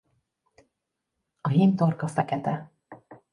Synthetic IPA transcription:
ɒɦint̪orkɒfɛkɛt̪ɛ

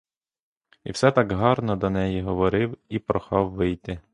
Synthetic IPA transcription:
ḭwsɛt̪ɑkɦɑrnɔd̪ɔnɛjiɦɔʋɔɾɪwipɾɔxɑwːɪjt̪ɪ

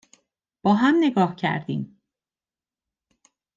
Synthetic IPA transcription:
b̥ɒːɦæmne̞ɡɒːhcʰæ̰ɾd̪iːm

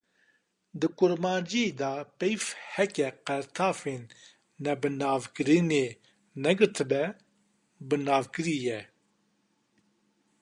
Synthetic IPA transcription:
d̪ɨkʊɾmɑːd͡ʒiːd̪ɑpɛjfhɛkɛqɛɾt̪ʰɑːfeːnː | ɛbɨnɑːvkɨɾɨneː | nɛɡɨɾt̪ʰɨbɛ | bɨnɑːvkɨɾiːjɛ

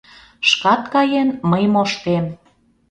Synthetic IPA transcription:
ʃkɑt̪kɑjenməjmoʃt̪em

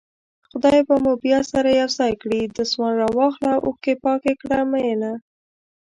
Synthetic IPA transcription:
xʊd̪ɑjbamobjɑsaɾajawzɑjkɽid̪əswɑnɾɑwɑxlaʔokepɑkekɽamajena

